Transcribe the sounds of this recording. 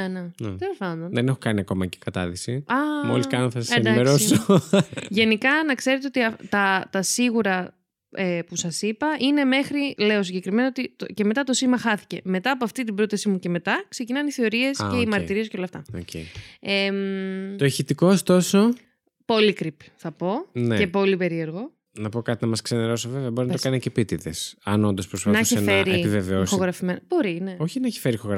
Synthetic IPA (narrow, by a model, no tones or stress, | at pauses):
enenḛt̪elosɐnd̪onðene̞xokɐniɐko̞mɐ̰ce̥kɐt̪ɐ̰ðisiɐmoliskɐnonθɐsɐseend̪iɐmeɾoso | ʝe̞nikɐnɐkse̞ɾet̪eo̞t̪iɐt̪ɐt̪ɐsiɣuɾɐ | epusɐsipɐʔine̞me̞xɾile̞o̞siɲɟe̞kɾime̞nɐot̪it̪oce̞me̞t̪ɐt̪o̞simɐxɐθi̥ce̞me̞t̪ɐːpo̞ɐft̪it̪ibɾo̞t̪ɐsimuce̞me̞t̪ɐkse̞cinɐniθe̞o̞ɾie̞seimɐɾt̪iɾis̬ceolɐft̪ɐo̰cḛemt̪oeçit̪ikoost̪o̞so̞ | po̞likɾipθɐpo̞neepo̞lipe̞ɾie̞ɾɣo̞ | nɐpo̞kɐt̪inɐmɐskseneɾo̞soveveɐbo̞ɾinɐt̪okɐnecepit̪iðḛsɐ̰no̞nd̪o̞spɾosfɐnɐçenfeɾiepiveveosxoɣɾɐfimenb̥o̞ɾine̞oçinɐeçi̥feɾixoɣ